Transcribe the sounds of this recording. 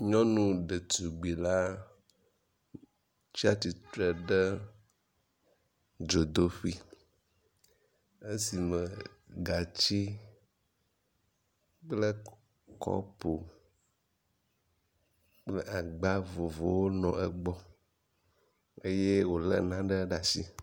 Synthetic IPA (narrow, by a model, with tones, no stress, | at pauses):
ɲɔ̃˦nũ˦ɖe˨t̪u˨ɡ͡bi˨la˦ | t͡ʃi˦a˦t̪i˨t̪ɾɛ˨ɖə˦ | d͡ʒo˨d̪o˦ɸi˦ | e˦si˨mə˨ɡa˨t͡ɕi˦ | k͡plə˦ | kɔ̰˦po˨ | k͡ple˦ʔa˨ɡ͡ba˦vo˨vo˨wo˦nɔ̃˨ʔɛ˦ɡ͡bɔ˦ | e˦je˦wo˨lə̰˦nã˦ɖə˦ɖa˨si˦